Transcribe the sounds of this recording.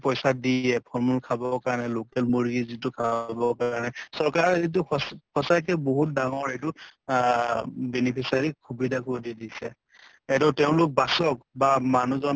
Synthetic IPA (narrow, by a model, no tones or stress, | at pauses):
pɔjsadiɛpʰɔɹmulkʰabɔkaɹnɛlokɛlmoɹiɡizitukʰabɔkanɛsɔɹkaɹɛzit̬ʊkʰɔsajk̬ɛboɦut̚daŋɔɹejt̬ʊ | bɛnipʰisaɹikʰubidʱakoɹdidisɛ | ɛdɔtɛʊ̃lʊk̚basɔkbamanuzɔn